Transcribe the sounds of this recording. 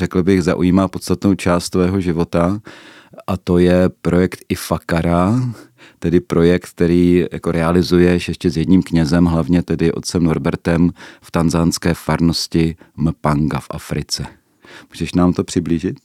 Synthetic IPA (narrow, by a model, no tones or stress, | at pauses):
rɛkl̩bɪxzaʔṵjiːmaːpo̞t̪st̪at̪no̞wt͡ʃaːst̪t̪vɛːɦo̞ʒɪvo̞t̪a | ʔat̪o̞jɛpɾʔo̞jɛkt̪ʔɪfakaɾa | t̪ɛdɪpɾo̞jɛk̚t̪kt̪ɛɾiːja̰ko̞ɾʔɛalɪzujɛʃjɛʃcɛzjɛdɲiːmkɲɛzɛmɦlavɲɛt̪ɛdɪʔo̞t̪̚t͡sɛmno̞ɾbɛɾt̪ɛmft̪anzaːnskɛːfaɾno̞scɪmpaŋɡafʔa̰fɾɪt͡sɛ | muːʒɛʃnaːmt̪o̞pr̥ɪbliːʒɪt̪̚